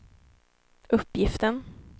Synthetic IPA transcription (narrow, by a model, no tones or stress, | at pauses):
ɵpːjɪft̪ən